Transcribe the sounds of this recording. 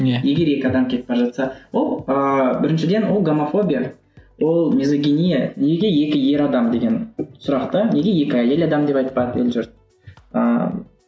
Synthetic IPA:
je̞ɡʲe̞ɾje̞kʲɪɑd̪ɑmkʲʰe̞t̪̚pɑɾʒɑt̪sɑwolˠəbɪɾɪnʃɪd̪e̞nwo̞lˠɡomafo̞bʲija | wʔo̞lˠmʲizoɡʲinijaneɡʲe̞je̞kʲɪje̞ɾɑd̪ɑmd̪e̞ɡʲe̞nsʊɾɑqt̪əne̞ɡʲe̞je̞kʲɪɑjelɑd̪ɑmd̪e̞pɑjt̪̚pɑd̪ḛlʒʏɾt̪ | ə̰

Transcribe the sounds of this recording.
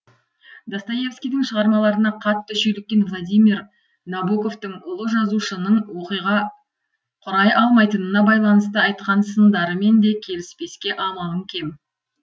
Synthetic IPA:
d̪ɑst̪aje̞fskʲijd̪ɪŋʃəʁɑɾmɑlˠɑɾənɑqʰɑt̪ːʏʃʏjlɪk̚ʲːe̞nvlˠad̪ijmiɾ | nabuko̞ft̪əŋʊlˠəʒɑzuʃənəɴwo̞qijʁɑ | qʰʊɾɑjʔɑlˠmɑjt̪ənənɑbɑjlˠɑnəst̪əɑjt̪qɑnsənd̪ɑɾəme̞nd̪e̞kʲʰe̞lɪspe̞skʲe̞ʔɑmɑʁəŋkʲʰe̞m

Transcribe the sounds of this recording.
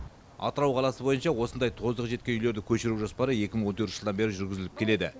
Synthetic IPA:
ɑ̰t̪əɾɑwqʰɑlˠɑsəbo̞jənʃɑwo̞sənd̪ɑjt̪ʰo̞zd̪əqʒet̪kʲe̞nʏjle̞ɾd̪ɪkʲʰɵʃɪɾuwʒospɑɾəe̞kʲɪməɴwot̪ʰɵɾt̪əʒəd̪ɑnbe̞ɾɪʒʏɾɡʲɪzɪlɪp̚kʲʰe̞le̞d̪ɪ̰

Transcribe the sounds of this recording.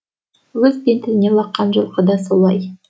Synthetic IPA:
wɵzbent̪ɪɾnelˠɑqːɑnʒə̆lˠqəd̪ɑsolˠɑj

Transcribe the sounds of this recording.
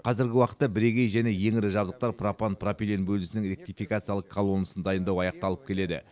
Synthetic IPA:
qʰɑzɪɾɡʲɪwɑqə̥t̪ːɑbɪɾe̞ɡʲe̞jʒæne̞je̞ŋɪɾɪʒɑbd̪əq̚t̪ɑɾpʰrapanpʰropʲilʲenbɵlɪsɪnɪŋɾʲe̞k̚t̪ifikat̪sɨjɑlˠəqkʰalˠo̞nəsənd̪ɑjənd̪ɑwɑjɑq̚t̪ɑlˠəp̚kʲʰe̞le̞d̪ɪ̰

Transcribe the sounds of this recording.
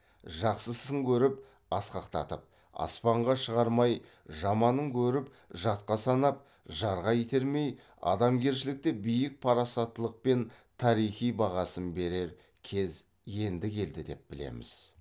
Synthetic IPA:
ʒɑqsəsəŋkʲʰɵɾɪp | ɑsqɑqt̪ɑ̰t̪əp̚ | ɑ̰spɑɴʁɑʃəʁɑɾmɑj | ʒɑmɑnəŋkʲʰɵɾɪp | ʒɑt̪̚qɑsɑnɑp̚ | ʒɑɾʁɑjet̪e̞ɾme̞j | ɑ̰d̪ɑmɡʲe̞ɾʃɪlɪk̚t̪e̞bijɪk̚pʰɑɾɑsɑt̪ːəlˠəq̚pe̞n | t̪ʰɑɾijχijbɑʁɑsənbe̞ɾe̞ɾ | kʲʰe̞z | je̞nd̪ɪkʲʰe̞ld̪ɪd̪e̞̰p̚bɪlḛmɪ̰z̥

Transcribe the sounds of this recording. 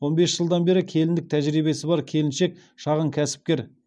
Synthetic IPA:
wo̞nbe̞sʒ̥əlˠd̪ɑnbe̞ɾɪkʲʰe̞lɪnd̪ɪk̚t̪ʰæʒɾibe̞sɪbɑɾkʲʰe̞lɪnʃe̞k̚ | ʃɑʁəŋkʲʰæsɪ̥p̚kʲe̞ɾ

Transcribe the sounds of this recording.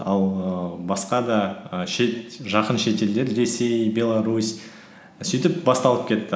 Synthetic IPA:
ɑlˠəbɑsqɑd̪ɑʃeʒɑqənʃe̞t̪e̞ld̪e̞ɾre̞se̞jbʲe̞lˠaɾusʲ | sʏjt̪ɪp̚bɑst̪ɑlˠəp̚kʲʰe̞t̪ːɪ

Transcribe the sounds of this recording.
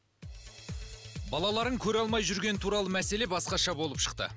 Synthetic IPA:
bɑlˠɑlˠɑɾəŋkʲʰɵɾɑlˠmɑjʒʏɾɡʲe̞nɪt̪ʰuɾɑlˠəmæse̞le̞bɑsqɑʃɑbo̞lˠəpʃə̥q̚t̪ə̰

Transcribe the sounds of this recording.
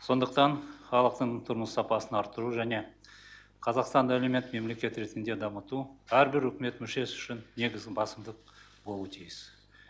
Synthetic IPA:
so̞nd̪əq̚t̪ɑnχɑlˠəqt̪əɴt̪ʰʊɾməsːɑpɑsənɑɾt̪ːəɾuʒæne̞ | qʰɑzɑqst̪ɑnɑælemet̪me̞mle̞kʲe̞t̪ɾe̞t̪ɪnd̪e̞d̪ɑmət̪uæɾbɪɾɵkʲɪme̞t̪mʏʃe̞sʏ̥ʃɪnːe̞ɡʲɪzɡʲɪbɑsəmd̪əq̚ | bo̞lˠuət̪ʰijɪs

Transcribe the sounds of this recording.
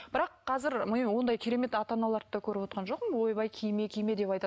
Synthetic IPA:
b̥ɪɾɑqʰːɑzɪɾmɪwo̞nd̪ɑjkʲʰeɾe̞me̞t̪ɑt̪ɑnɑlˠɑɾt̪ːɑkʲʰɵɾɪpwo̞t̪qɑnʒo̞qməwo̞jbɑjkʲʰijme̞kʲʰijme̞d̪e̞pɑjt̪ɑ

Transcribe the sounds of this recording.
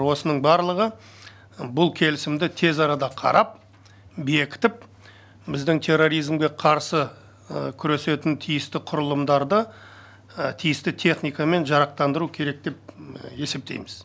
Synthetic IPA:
wo̞sənəɴbɑɾlˠəʁə | bʊlˠkʲʰe̞lɪsɪmd̪ɪt̪ʰe̞zɑɾɑd̪ɑqʰɑ̰ɾʔɑp̚ | be̞kʲɪ̥t̪ɪp̚ | bɪzd̪ɪŋt̪ʰe̞rːo̞ɾijzmɡʲe̞qʰɑɾsə | kʲʰʏɾe̞se̞t̪ɪnt̪ʰijɪst̪ɪqʰʊɾəlˠəmd̪ɑɾd̪ə | t̪ʰijɪst̪ɪt̪ʰe̞χnijkɑme̞nʒɑɾɑq̚t̪ɑnd̪əɾukʲʰe̞ɾe̞k̚d̪e̞p̚e̞se̞p̚t̪e̞̰jmɪz̥

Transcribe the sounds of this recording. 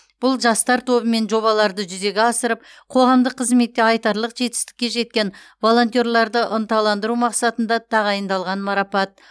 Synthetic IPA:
b̥ʊlˠʒɑst̪ɑɾt̪ʰo̞bəme̞nʒo̞βɑlˠɑɾd̪əʒʏze̞ɡʲɪɑsəɾəp̚qʰo̞ʁɑmd̪əqʰːəzme̞t̪ːe̞ɑjt̪ɑɾlˠəqʒe̞t̪ɪ̥st̪ɪ̥kʲːe̞ʒe̞t̪̚kʲe̞n | vo̞lˠo̞nt̪ijo̞ɾlˠɑɾd̪əʔənt̪ɑlˠɑnd̪əɾumɑqsɑt̪ənd̪ɑt̪ʰɑʁɑjənd̪ɑlˠʁɑnmɑɾɑpɑt̪̚

